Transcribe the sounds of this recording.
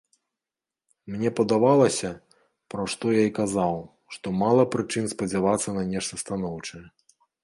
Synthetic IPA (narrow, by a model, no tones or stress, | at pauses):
mnʲɛpɐd̪avalˠɐsʲɐ | pɾɐʂt̪ɔjaikazaw | ʂt̪ɔmalˠɐpɾɨt͡ʂɨnspɐd͡zʲavat̪sːɐnɐnʲɛʂt̪ɐst̪anɔwt͡ʂɐjɛ